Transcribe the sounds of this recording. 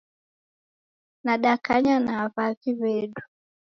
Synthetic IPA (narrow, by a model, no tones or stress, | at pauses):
naɗakaɲanavaɣiβɛɗu